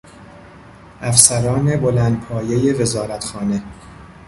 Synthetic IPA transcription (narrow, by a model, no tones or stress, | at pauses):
ʔæfsæɾɒːne̞bo̞lænd̪̚pʰɒːje̞je̞ve̞zɒːɾæt̪ʰxɒːne̞